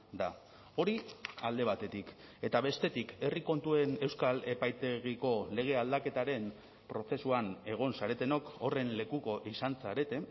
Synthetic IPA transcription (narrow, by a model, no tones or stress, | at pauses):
d̪a | o̞ɾiald̪e̞β̞at̪e̞t̪ike̞t̪aβe̞st̪e̞t̪ike̞riko̞nt̪ue̞ne̞wskale̞pajt̪e̞ɣiko̞le̞ɣ̞e̞ald̪ake̞t̪aɾe̞m | pɾo̞t͡se̞suane̞ɣ̞o̞nsaɾe̞t̪e̞no̞ko̞re̞nle̞kuko̞ʔisansaɾe̞t̪e̞